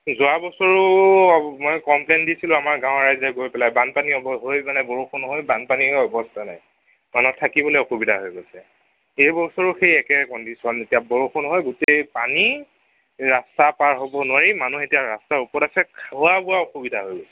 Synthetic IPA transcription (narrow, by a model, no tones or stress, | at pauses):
zʊabɔsɔɹʊ | mɔjkɔmplendisilʊ̃amaɹɡãʊ̃ɹajzaɡojpɛlajbanpaniɔbɔɦojmanɛbɔɹuxɔnɦɔjbanpaniɔbɔstʰana̰j | manɔtʰakibɔloeoxubidʱaɦojɡojsɛ | ejbɔsɔɹuxejɛkɛkɔndisɔnetijabɔɹuxʰɔnɦɔjɡutejpani | ɹastapaɹɦobɔnʊwaɹimanuxetijaɹa̰staɹupɔɹtasɛkʰawabʊwaoxubidʱaɦojɡosɛ